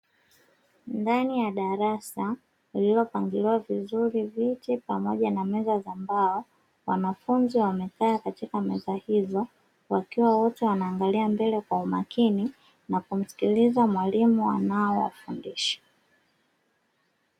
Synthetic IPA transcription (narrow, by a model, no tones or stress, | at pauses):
ndanijaɗaɾasa | ililɔpaŋɡiliwavizuɾivitipamɔʄanamɛzazambaɔ | wanafunziwamɛkaːkatikamɛzahizɔ | wakiwawɔtɛwanaːŋɡaliambɛlɛkwaumakini | nakum̩si̥kilizamwalimua̰naɔwa̰fundiʃḁ